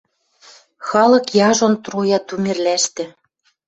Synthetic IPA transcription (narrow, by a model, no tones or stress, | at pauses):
xɑlɤ̆kjɑʒont̪rujɑt̪umĕrlæʃt̪ɘ̆